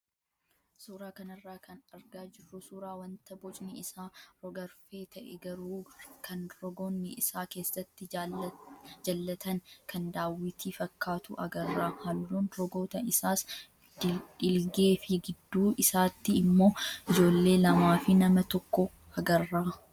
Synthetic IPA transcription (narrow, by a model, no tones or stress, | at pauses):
suːɾaːkɐnɐrːaːkʰɐnɐɾɡaːd͡ʒɪrːʊsuːɾaːwɐnt̪ɐbɔt͡ʃʼnɛɪsaːɾɔɡɐɾfe̞ːt̪ʰɐʔɛ̰ɡɐɾuːkʰɐnɾɔɡonːɪʔɪsaːke̞ːsːɐt̪ːɪ | d͡ʒɐlːɐt̪ʰɐnkʰɐnd̪aːwːɪt̪ʰiːfɐkːaːt̪ʊ̰ʔɐ̰ɡɐrːaːhɐlːuːnɾɔɡoːt̪ɐɪsaːs | ᶑɪlɡe̞ːfɪɡɪd̪ːuːʔɪsaːt̪ːɪːmːo̞ːʔɪd͡ʒo̞ːlːe̞ːlɐmaːfɪnɐmɐt̪ɔkːɔ | ɐɡɐrːaː